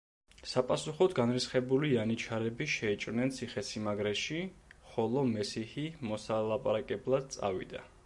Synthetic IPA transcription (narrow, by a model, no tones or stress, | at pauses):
sapʼasuχɔd̪ɡanɾisχɛbulianit͡ʃʰaɾɛbiʃɛit͡ʃʼɾnɛnt̪sʰiχɛsimaɡɾɛʃiχɔlˠɔmɛsihimɔsalˠapʼaɾakʼɛblˠad̪̚t̪sʼa̰vḭd̪a̰